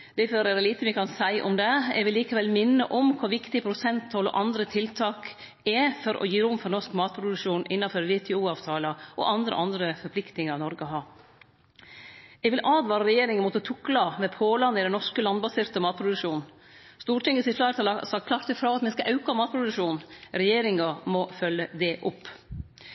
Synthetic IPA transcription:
d̪̥ɛføɾɛd̪ɛliːt̪əmɛkʰɑnsæɪʔɔ̰md̪ɛɛ̰ɡʋɪlːiːkəʋɛlmɪnːə̰ʔɔmkʰɑːʋɪkt̪ɪpʰɾʊsɛnt̪ʰɔlɔ̰ʔɑnd̪ɾət̪ʰɪlt̪ʰɑːk | ɛfɔɾʔɔ̰jiːɾʊmfɔɾnɔʂkmɑːt̪pʰɾʊd̪ʉʂuːnʔɪnːɑføɾʋɛt̪ʰɛuːɑːʋt̪ʰɑːlɑʔɔ̰ʔɑnd̪ɾə̰ʔɑnd̪ɾəfɔɾpʰlɪkt̪nɪŋɑɾnɔɾɡəɦɑː | ɛʋɪlʔɑːd̪ʋɑːɾɑɾɛjeːɾɪŋənmɔt̪ːət̪ʰʊklɑmɛpʰoːlɑnɪd̪ɛnɔʂkəlɑnbɑsɪːɾt̪əmɑːt̪pʰɾʊd̪ʉʂuːnn | st̪uːʈɪŋːəsɪslɑæɾt̪ɑːlɑsɑkʰlɑɾt̪əfɾɑːɑt̪mɛskɑʔɑʉkɑmɑːt̪̚pʰɾʊd̪ʉʂuːnɾɛjeːɾɪŋɑmɔfœlːəd̪ɛʔʊpː

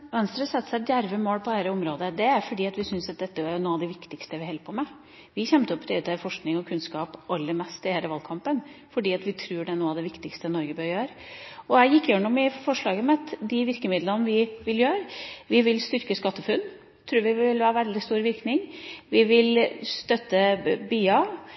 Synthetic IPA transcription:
ʋɛnst̪ɾəsɛt̪ːsæd̪jæɾʋəmoːɽpʰɔæːɾəʊmɾoːd̪əd̪ɛæɾfɔɖiːɑt̪ʋɪsʏnsɑt̪̚d̪ɛt̪ːəʋɑnoːɑʋd̪ɛʋɪkt̪ɪkst̪əʋɪhɛlpʰɔmɛ | ʋɪçɛmt̪əɔpːt̪ʰɛɛːt̪ʰɛfɔʂknɪŋɔkʰʉnskɑːpʔɑlːəmɛst̪ɪhæːɾəʋɑlkʰɑmpənfɔɖiːɑt̪ʋɪt̪ʰɾʉːɖɛnoːɑʋd̪ɛʋɪkt̪ɪkst̪ənɔɾɡəbœːɾjøːɾ | ɔæɪjɪkːjøːɳʊmɪfɔʂɭɑːɡəmɛɑt̪d̪ɪʋɪɾkəmɪd̪lənʋɪʋɪljøːɾʋɪʋɪlst̪ʏɾkəskɑt̪ːəfʉnː | t̪ʰɾʉːɾʋɪʋɪlʋæːɾəʋɛld̪ɪst̪uːɾʋɪɾknɪŋʋɪʋɪlst̪œt̪ːəbyːɑ

